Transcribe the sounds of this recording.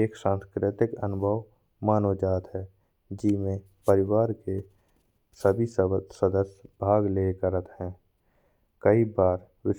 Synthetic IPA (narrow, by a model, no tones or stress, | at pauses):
eːkʃãːnskɾɪt̪ɪkənʊbʱəw | maːnod͡ʒaːt̪ɦɛː | d͡ʒɪmẽ | pəɾɪwaːɾke | səbʱisəsəd̪əsbʱaːɡleːkəɾət̪ɦɛ̃ː | kəibaːɾ | wɪʃ